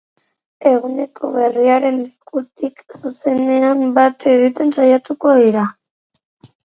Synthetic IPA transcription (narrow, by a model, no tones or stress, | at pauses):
e̞ɣune̞kʰo̞βe̞riaɾe̞nd̪ikut̪iksuse̞ne̞ambat̪eɣit̪e̞nsajat̪uko̞ðiɾa